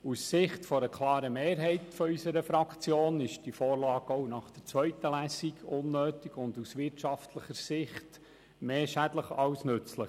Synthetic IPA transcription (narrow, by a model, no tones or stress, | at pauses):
usːɪχtfɔɾəkʰlˠɑːɾəmeːɾɦɛɪtfɔysəɾəfɾɑkt͡sjoːnɪʃd̥ifɔːɾlɑːɡ̥ɔwnɑχd̥əɾt͡sʋœɥt̪əlæsiɡʊnːøːt̪iɡʊnd̪usʋɪɾtʃɑftʰləχəɾsɪχt | meːʃæd̪ləχɑwsnɵt͡sləχ